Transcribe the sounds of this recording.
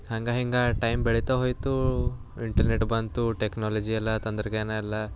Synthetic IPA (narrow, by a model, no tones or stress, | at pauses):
hɐŋɡaɦiŋɡaʈɐjmbeɭit̪aɦoːjt̪u | iɳʈɐɾneʈːbɐnt̪uʈeknaːlɐd͡ʒiɛlːɐt̪ɐnd̪ɾɐɡenailːɐ